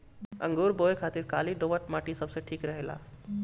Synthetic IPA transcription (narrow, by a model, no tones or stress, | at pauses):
ə̰̃ŋɡoɾboekʰaːt̪iɾka̰liɖoʋəʈ̚maːʈisəbseʈʰiːkɾəɦela̰ː